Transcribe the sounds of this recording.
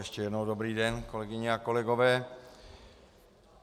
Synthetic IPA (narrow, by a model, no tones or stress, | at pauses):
ɛʃcɛjɛdnowdobɾiːdɛnkolɛɡɪɲɛako̞lɛɡo̞vɛː